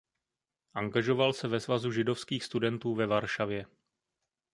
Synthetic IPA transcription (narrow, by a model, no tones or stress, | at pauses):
ʔaŋɡaʒo̞valsɛvɛzvazuʒɪdo̞fskiːxst̪udɛnt̪uːvɛvaɾʃavjɛ